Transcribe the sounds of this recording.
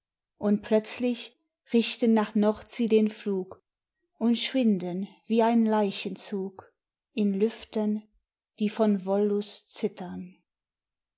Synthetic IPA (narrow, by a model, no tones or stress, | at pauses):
ʔʊnt̚pʰlœt͡slɪç | ʁɪçtənːaːχnɔʁtz̥iːdeːnfluːk | ʔʊntʃv̥ɪndənviːaɪnlaɪçənt͡suːk | ʔɪnlʏftən | d̥iːfɔnvɔlʊst͡sɪtɐn